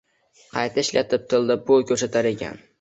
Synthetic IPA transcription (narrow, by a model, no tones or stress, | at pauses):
qʰɑjt̪ʰaɪʃlat̪ʰɪp̚t̪ʰɪlˠd̪ɪp̚bolˠkʲʰɵɾsat̪ʰaɾe̞kʲʰa̰n